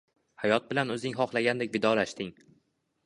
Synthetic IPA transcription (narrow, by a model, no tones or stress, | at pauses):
hajɒt̪̚bɪlanɵzɪŋɦɒχlaɡʲand̪ekʲvɪd̪ɒlaʃt̪ɪŋ